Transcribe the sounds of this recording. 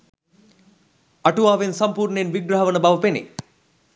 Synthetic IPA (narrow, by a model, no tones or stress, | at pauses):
ɐʈuʋaːʋensampuːrnenʋiɡɾaɦɐʋənəbaʋəpenḛ